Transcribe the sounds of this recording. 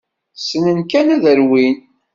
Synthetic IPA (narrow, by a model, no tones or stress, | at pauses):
sənənkænæðəɾwin